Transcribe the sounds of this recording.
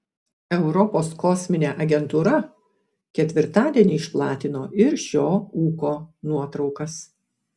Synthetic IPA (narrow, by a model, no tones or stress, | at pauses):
ɛʊɾɔpoːskɔsʲmʲɪnʲeːʔɐɡʲɛnt̪uːɾɐ | kʲɛt̪ʲʋʲɪɾt̪ɑːd̪ʲiɛnʲiːɪʃplˠɑːt̪ʲɪnoːʔɪɾʃʲoːuːkoːnuɔt̪ɾɒʊkɐs